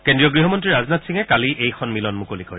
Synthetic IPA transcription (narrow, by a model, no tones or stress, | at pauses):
kendɹiɔɡɹiɦɔmɔntɹiɹaznatsiŋɛkaliʔejxʰɔnmilɔnmukolikɔɹɛ